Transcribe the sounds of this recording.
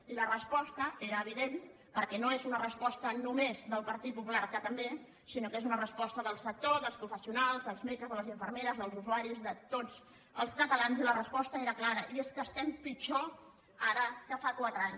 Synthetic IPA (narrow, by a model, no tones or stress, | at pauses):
ilərəspɔst̪əeɾəːβ̞iðen | pəɾkɛnoezunərəspɔst̪ənumezd̪əlˠpəɾt̪it̪̚pupulaɾkət̪əmbe | sinokezunərəspɔst̪əðəlˠsək̚t̪ozðəlˠspɾufəsiunalˠzðəlˠzmet͡ʃəzðələziɱfəɾrmeɾəzðəlˠzuzuaɾizðət̪ot͡s | əlˠskət̪əlanzilərəspɔst̪əeɾəklaɾəʔieskəst̪ɛmpit͡ʃɔ | aɾəkəfakwat̪ɾəaɲ